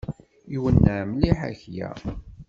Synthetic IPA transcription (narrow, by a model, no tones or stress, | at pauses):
iwənːæmliħæ̰çjæ̰